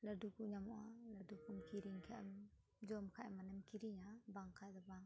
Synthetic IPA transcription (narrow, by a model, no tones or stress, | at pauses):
ladukuɲamɔʔaladukumkiɾiŋkʰaʔɛ̰m | d͡ʒɔmkʰaʔɛmanamkiɾiŋabaŋkʰad̪ɔbaŋ